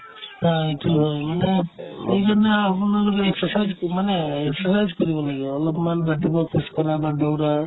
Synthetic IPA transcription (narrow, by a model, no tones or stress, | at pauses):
ɦaitʰuɦojmanɛejkanaapnnaɡɔɾeeksɔsajzmanɛːksɔsajzkɔɾibɔlaɡeɔlɔpmanbaʈibɔkʰuskɔɾabadawɾa